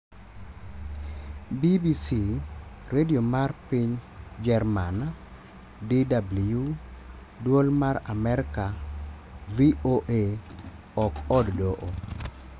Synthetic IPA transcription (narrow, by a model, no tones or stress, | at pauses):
bibisi | ɾediomarpiɲd͡ʒɛrman | didablju | dwolmaɾamɛɾɪka | vioʔe | ɔkɔddoʔo